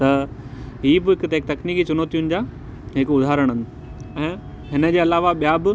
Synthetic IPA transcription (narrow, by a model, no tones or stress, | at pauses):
t̪ɐɦiːbɪɪkt̪eɪkt̪ɐkniːkit͡ɕʊnoːt̪ijʊnɪ̆d͡ʑaː | ɦɪkʊd̪ʱaːɾəɽ̃ənɪ | ɛ̃ː | ɦɪnə̆d͡ʑeːɐlaːʋaɓijaːbɪ